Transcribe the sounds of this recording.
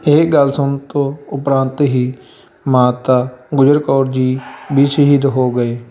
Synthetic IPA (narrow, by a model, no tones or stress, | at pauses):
eːɡəlsʊnt̪oʊpɾãːnt̪ɦiː | maːt̪aːɡʊd͡ʒəɾkɔːɾd͡ʒiːbʱiːsəɦid̪ɦoːɡəeː